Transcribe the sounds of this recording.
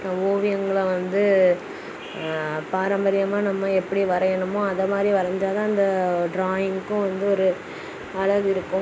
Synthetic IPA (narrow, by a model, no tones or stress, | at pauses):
oːʋɪjɐŋɡɐɭɐʋɐnd̪ɯ | paːɾɐmbɐɾɪjɐmaːnɐmːɐɛpːɐɽiʋɐɾɐjɐɳɯmõɐðɐmaːd̪ɾiʋɐɾɐɲd͡ʒaːðãːɪnd̪ɐɖɾaːjɪŋkːʊ̃ʋɐnd̪ɯɔɾɯ | ɐɭɐɣɯɪɾɯkːʊ̃